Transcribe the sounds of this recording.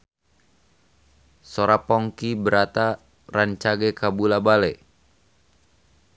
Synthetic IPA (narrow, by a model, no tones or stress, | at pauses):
soɾapɔŋkibəɾat̪a | raɲt͡ʃaɡɛkabulabalɛ